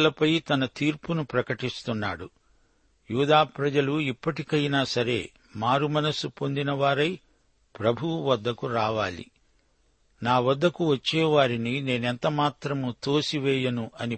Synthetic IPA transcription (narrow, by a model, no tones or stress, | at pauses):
lɐpɐjt̪ɐnɐt̪iːɾpunupɾɐkɐʈist̪unːa̰ːɽu | juːd̪aːpɾɐd͡ʒɐluipːɐʈikɐjnaːsɐɾe̞̰ː | maːɾumɐnɐsupo̞nd̪inɐʋaːɾɐj | pɾɐbʱuʋɐd̪ːɐkuɾaːʋaːlḭ | naːʋɐd̪ːɐkuʋɐt͡ʃːɛːʋaːɾinine̞ːnɛnt̪ɐmaːt̪ɾɐmut̪o̞ːsiʋɛːjɐnuʔɐni